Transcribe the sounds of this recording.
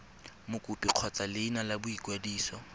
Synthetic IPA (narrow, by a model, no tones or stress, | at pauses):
mʊkʼʊpʼiq͡χʰɔt͡sʼalɪːnalabʊikʼwadiːsɔ